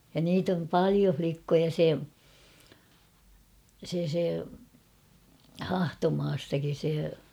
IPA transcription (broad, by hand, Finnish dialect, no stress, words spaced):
jɑ niːt om pɑlio flikːojɑ se se se hɑhtomɑːstɑkin̞ se